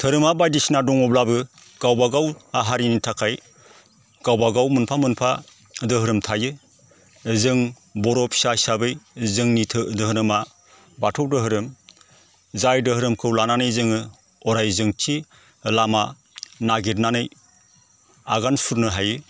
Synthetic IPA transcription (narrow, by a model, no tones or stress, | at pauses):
tʰɯɾɯmabajdisnadɔŋɔblabɯ | ɡ̥awbaɡawaɦaɾinitʰakʰaj | ɡ̥awbaɡawmɯnpʰamɯnpʰa | dɯɦɯɾɯmtʰajɯ | zɯŋ | bɔɾɔpʰsasabɯjzɯŋnitʰdɯɦɯnɯma | batʰɔwdɯɦɯɾɯm | zajdɯhɯɾɯmkʰɯwlananɯjzɯŋɯ | ɔɾajzɯŋtʰi | lama | naɡiɾnanɯj | aɡansuɾnɯɦajɯ